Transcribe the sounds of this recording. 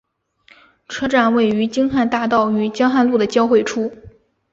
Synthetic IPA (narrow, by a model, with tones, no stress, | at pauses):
ʈ͡ʂʰɤ˥ʈ͡ʂa˥˩nwe˥˩ɪy˧˥t͡ɕi˥ŋxa˥˧nt̪a˥˧t̪ɑ˥˩ʊy˧˥t͡ɕjɑ˥ŋxa˥˧nlu˥˩d̪ə˩t͡ɕjɑ˥ʊxwe˥˩ɪʈ͡ʂʰu˥